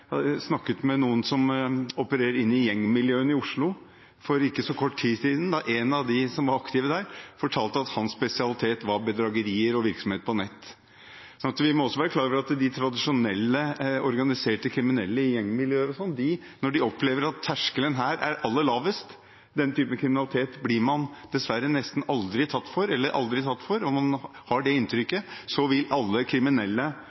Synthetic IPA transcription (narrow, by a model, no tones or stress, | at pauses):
snɑkːət̪mɛnuːənsɔmɔpəɾeːɾəɾɪnːɪjɛŋːmɪljøːənɪʊʂɭʊ | fɔɾɪkːəsɔkʰɔʈːtʰiːsiːd̪n̩d̪ɑʔenɑʋd̪ɪsɔmʋɑɾɑkt̪ɪʋəd̪æːɾfɔʈʰɑːlt̪əɑt̪hɑnsːpɛsɪɑlɪt̪ʰeːt̪ʋɑɾbəd̪ɾɑːɡəɾiːəɾɔʋɪɾksɔmheːt̪pʰɔnɛt̪ː | sɔɑnt̪ʋɪmɔɔsːɔʋæːɾəkʰlɑːɡʋəɾɑt̪d̪ɪt̪ʰɾɑd̪ɪʂʊnɛlːəɔɾɡɑnɪseːʈəkʰɾɪmɪnɛlːəɪjɛŋːmɪljøːəɾɔsɔnːd̪ɪnɔɖɪɔpʰleːʋəɾɑt̪ʰːæʂkələnɦæːɾæ̰ɾʔɑlːəlɑːʋəst̪ | d̪ɛnt̪ʰyːpənkʰɾɪmɪnɑlɪt̪ʰeːt̪blɪɾmɑnd̪̥ɛsʋæɾːənɛst̪n̩ɑld̪ɾɪt̪ʰɑt̪ːfɔɾɛlːəɾʔɑ̰ld̪ɾɪt̪ʰɑt̪ːfɔɾɔmɑnhɑɖɛɪnt̪ʰɾʏkːəsɔʋɪlɑlːəkʰɾɪmɪnɛlːə